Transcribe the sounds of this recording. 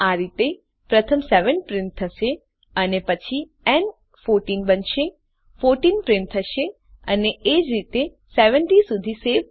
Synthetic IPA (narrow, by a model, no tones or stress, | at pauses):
aɾit̪e | pɾət̪ʰəmseʋəɳʈ̚pɾɪ̃ɳʈ̚t̪ʰəʃe | ənepət͡ʃʰi | ɛn | foɾʈinbənʃe | foɾʈinpɾɪ̃nt̪ʰəʃe | əneed͡ʒɾit̪e | seʋəɳʈisud̪ʱiseʋ